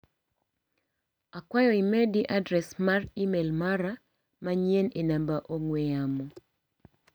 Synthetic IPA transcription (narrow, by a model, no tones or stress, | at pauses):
akwajɔimɛdiʔadɾɛsmarimelmaɾa | maɲenenambaʔoŋwɛamɔ